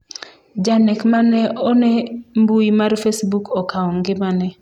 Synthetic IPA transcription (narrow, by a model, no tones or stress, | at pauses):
d͡ʒanɛkmanɛʔɔnɛmbuimaɾfesbukɔkaɔŋɡɪmanɛ